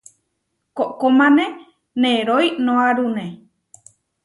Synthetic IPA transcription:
koʔkomãnẽ | nẽɾojnõãɾunẽ

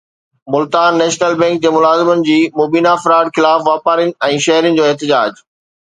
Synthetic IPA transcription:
mʊlt̪aːnːɛːʃnəlbɛ̃ːŋk̚d͡ʑeːmʊlaːzɪmənɪ̆d͡ʑiːmoːbiːnafɪɾaːɖxɪlaːfʋaːpaːɾənɪ̆ɛ̃ːʃɐɦɾənɪ̆d͡ʑoːɪɦt̪ɪd͡ʑaːd͡ʑ

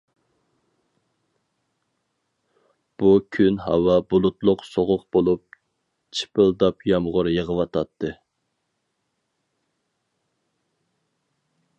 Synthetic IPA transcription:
b̥ukʲʰynhɑ̰wɑbulˠut̪lˠʊqsoʁʊqb̥olˠup̚ | t͡ʃʰi̥pʰəlˠd̪ɑpjɑmʁʊɾjəʁəwɑt̪ʰɑt̪ʰːɨ

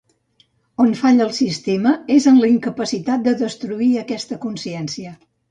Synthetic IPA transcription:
onfaʎəlˠsist̪eməezənləiŋkəpəsit̪at̪̚d̪əðəst̪ɾuiəkɛst̪əkunsiɛnsiə

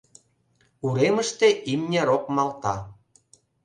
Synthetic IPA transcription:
uɾeməʃt̪eʔimnʲeɾok̚mɑlt̪ɑ

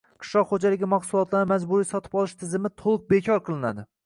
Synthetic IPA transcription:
qʰɨ̥ʃlɒqχod͡ʒalɪɡʲɪmaχsʊlˠɒt̪laɾɪmazbʊɾisɒt̪ʰɪ̥bɒlˠɪʃt̪ʰɪzɪmɪt̪ʰolˠɨq̚be̞kʲʰɒɾqʰɨlˠɪna̰d̪ɪ

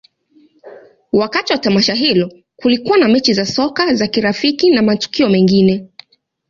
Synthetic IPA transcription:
wakatiwatamaʃaɦilɔ | kulikuwanamɛt͡ʃizasɔkazakiɾafikinamatu̥kiɔmɛŋɡinɛ

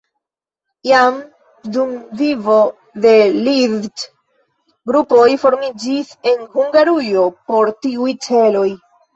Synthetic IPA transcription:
jam | dumvivo̞ | de̞liɾd͡ʒ | ɡɾupo̞jfo̞ɾmid͡ʒise̞nhuŋɡaɾujo̞po̞ɾtiujt͡se̞lo̞j

